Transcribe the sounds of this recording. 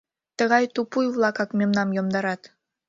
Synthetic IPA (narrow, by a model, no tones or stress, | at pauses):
t̪əɣɑjt̪upujβlˠɑkɑkmemnɑmjomd̪ɑɾɑt̪